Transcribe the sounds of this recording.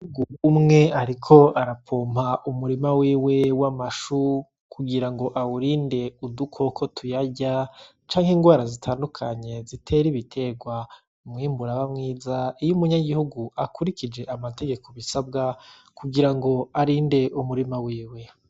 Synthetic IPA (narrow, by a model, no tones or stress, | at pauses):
iuɡuumŋe̞aɾikʰo̞aɾapʰoːm̥haʔumuɾimawiːwe̞wamaʃu | kʰuɡiɾaŋɡo̞ʔawuɾiːnde̞udukʰo̞kʰo̞tʰujaɟa | t͡ʃaːŋheŋɡwaːɾazitʰaːndukʰaɲe̞zitʰe̞ɾiβitʰe̞ɡwa | umŋiːmbuɾaβamŋiːzaijumuɲaɡihuɡuakuɾikid͡ʒe̞ʔamate̞ɡe̞kʰo̞βisabɡa | kuɡiɾaŋɡo̞aɾiːnde̞ʔumuɾimawiːwe̞